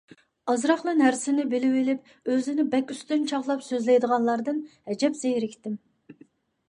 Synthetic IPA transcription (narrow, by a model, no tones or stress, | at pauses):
ɑzɾɑχlˠɨnæɾsɪnɪbɪlɪwɪlɪp̚ | øzɪnɪbɛkʲyst̪ynt͡ʃʰɑʁlˠɑpsøzlɪjd̪əʁɑnlˠɑɾd̪ɨnhɛd͡ʒɛpz̥ejɾɪkʲt̪ɪm